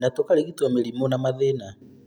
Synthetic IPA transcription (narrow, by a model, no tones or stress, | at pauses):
natokaɾeɣitwameɾimɔnamaðena